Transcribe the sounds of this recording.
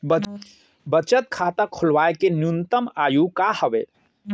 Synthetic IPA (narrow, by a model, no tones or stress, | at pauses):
b | bət͡ʃət̪̚kʰat̪akʰolʋaekenjunt̪əmajukahəbe